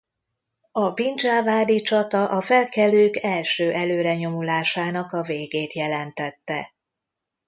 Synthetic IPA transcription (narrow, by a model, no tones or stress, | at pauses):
ɒbind͡ʒalvaːd̪it͡ʃɒt̪ɒʔɒfɛlkɛløːkɛlʃøːʔɛløːɾɛɲo̞mulaːʃaːnɒkɒveːɡeːt̪jɛlɛnt̪ɛt̪ːɛ